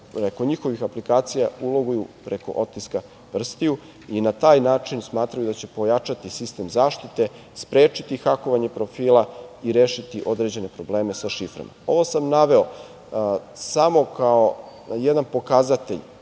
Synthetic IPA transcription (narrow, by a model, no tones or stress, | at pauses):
ɾe̞ko̞ɲixo̞ʋixaplikaːt̪sijaulˠo̞ɡujupɾe̞ko̞̰ʔo̞t̪ːiska | pr̩st̪iju | inat̪aːjnaːt͡ʂinsmaːt̪ɾajud̪at͡ɕe̞po̞jat͡ʂat̪isist̪emzaːʃt̪it̪e̞ | spɾeːt͡ʃit̪ixako̞ʋaɲe̞pɾo̞fiːlˠaiɾeːʃit̪iʔo̞d̪ɾed͡ʑe̞ne̞pɾo̞ble̞ːme̞saʃifɾa̰ma̰o̞ʋo̞samnaʋe̞o̞ | samo̞kao̞ | jed̪anpo̞kazat̪e̞ʎ